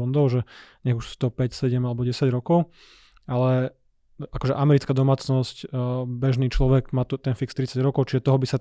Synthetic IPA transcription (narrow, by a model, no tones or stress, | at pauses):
ɔnd̪ɔʊʒɛɲɛɣuʃt̪ɔpɛcsɛɟɛmalɛbɔɟɛsaɟɾɔkɔʊ | alɛ | ʔakɔʒɛ̰ʔamɛɾit͡skaːd̪ɔmaːt͡snɔscbɛʒniːt͡ʃlɔʋɛɡmaːt̪ut̪ɛnfikst̪ɾit͡saɟɾɔkɔʊt͡ʃiʒɛt̪ɔɦɔbisa